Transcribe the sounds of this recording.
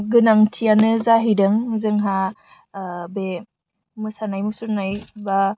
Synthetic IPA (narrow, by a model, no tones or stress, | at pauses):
ɡɯnaŋtʰijanɯzaɦidɯŋzɯŋɦa | be | mɯsanajmusuɾnajba